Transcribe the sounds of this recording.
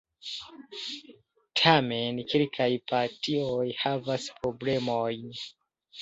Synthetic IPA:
tʰame̞nkilkʰajpaɾtiojhavaspɾo̞ble̞mojn

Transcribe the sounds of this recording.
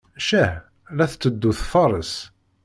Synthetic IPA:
ʃæh | læθt͡sːəd̪ːuθfɑɾˤəs

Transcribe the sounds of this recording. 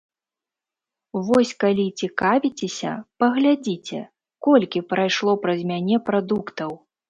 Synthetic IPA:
vɔsʲkalʲit͡sʲikavʲit͡sʲesʲɐ̰pɐɣlʲad͡zʲit͡sʲɛ̰ | kɔlʲkʲipɾajʂlˠɔpɾɐzʲmʲanʲɛpɾad̪ukt̪ɐw

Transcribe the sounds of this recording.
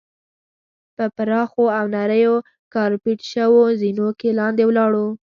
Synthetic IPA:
pəpɾɑxoawnaɾəjo | kɑɾpiʈʃəwozinokelɑnd̪ewlɑɽu

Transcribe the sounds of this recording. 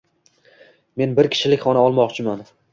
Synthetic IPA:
me̞nbɪɾkʲʰɪ̥ʃɪlɪkʲχɒnaɒlˠmɒqt͡ʃʰɪman

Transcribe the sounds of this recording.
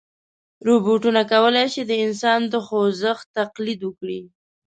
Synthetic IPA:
ɾobuʈunakawəlajʃid̪əɪnsɑnd̪əxozəxt̪aqlid̪wəkɽḭ

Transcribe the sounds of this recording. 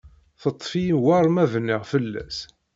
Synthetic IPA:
θət̪ˤːfijwɑɾˤmævniʁfəlːæ̰s

